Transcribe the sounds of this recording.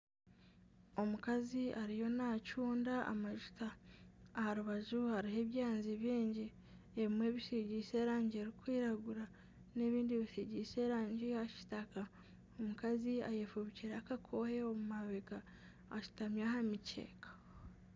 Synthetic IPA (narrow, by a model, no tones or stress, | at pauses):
o̞mukaziʔaɾijo̞nacuːndaʔa̰maʒutaː | haɾuβaʒuhaɾiɦe̞βjaːnziβiːɲɟi | eβimwe̞ːβiʃeɟise̞ːɾaːɲɟeɾikwiːɾaɡuɾa | ne̞βiːndiβisiɟise̞ːɾaːɲɟihaci̥taka | omukazia̰jefuβiciɾeakakʰo̞he̞omumaβekaː | ʃu̥tamjahamice̞̰ːkḁ